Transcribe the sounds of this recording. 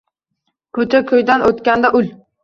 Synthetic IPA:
kʲʰɵt͡ʃʰakʰʲɵjd̪anʔot̪kʲand̪aʔʊl

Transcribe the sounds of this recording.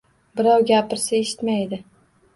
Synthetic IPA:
bɪɾɒwɡʲapɪɾsaeʃɪ̥t̪majd̪ɪ

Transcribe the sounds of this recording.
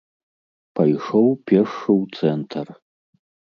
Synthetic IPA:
pʰɐjʂowpʲɛrʂɨwt̪sɛnt̪ʰɐr

